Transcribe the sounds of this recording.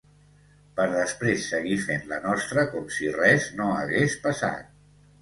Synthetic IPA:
pəɾðəspɾesːəɣ̞ifenlə̰nɔst̪ɾəkɔmsirɛznoəɣespəsa̰t̪̚

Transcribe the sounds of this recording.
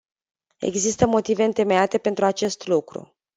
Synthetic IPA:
e̞̰ɡzist̪əmo̞t̪ive̞ɨnt̪e̞me̞at̪e̞pe̞nt̪ɾuat͡ʃe̞st̪lukɾṵ

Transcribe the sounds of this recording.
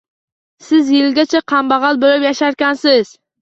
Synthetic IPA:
sɪzjɪlɡʲat͡ʃʰaqʰɑmbɑʁɑlˠbolɪpjaʃaɾkʲansɪz̥

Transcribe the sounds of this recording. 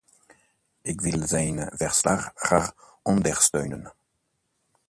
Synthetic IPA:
ɪkʋɪlzɛjnvɛɹslaχχaʁ | ɔndəɹstøɥnən

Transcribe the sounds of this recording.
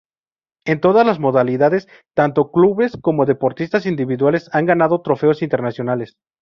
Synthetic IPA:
e̞nt̪o̞ðazlazmo̞ðaliðaðe̞s | t̪ant̪o̞kluβe̞sko̞mo̞ðe̞po̞ɾt̪ist̪asind̪iβiðwale̞saŋɡanað̞o̞t̪ɾo̞fe̞o̞sint̪e̞ɾnasjo̞nale̞s

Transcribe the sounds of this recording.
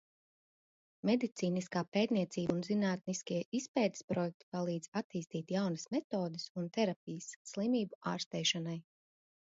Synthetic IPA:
mɛd̪it̪siːniskaːpeːt̪niɛt̪siːbunzinaːt̪̚niskʲiɛʔispɛːjt̪ɪ̥spɾɔjɛk̚t̪i̥palˠiːd̪z̥at̪iːst̪iːt̪jawnɐsmɛt̪oːd̪esunt̪ɛɾap̚ʲijəsːlˠimiːbua̰ːɾst̪ɛːʃanaj

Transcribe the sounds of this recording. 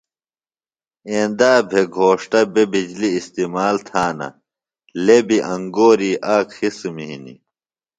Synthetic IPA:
ẽːnd̪aːbʱeɡʱoːʂʈɐbebid͡ʑliːst̪iːmaːlt̪ʰaːnɐ̰ | lebiʔɐ̃ŋɡoːɾiːʔaːkxismiɦḭnḭ

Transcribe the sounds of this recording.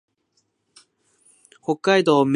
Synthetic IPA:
hokːaid̪o̞ːm

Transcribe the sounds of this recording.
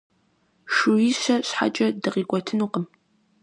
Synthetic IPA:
ʂuiʃɐɕħa̰t͡ʃʼɐdɨʁiːkʷʼɔtʰɨnuːqəm

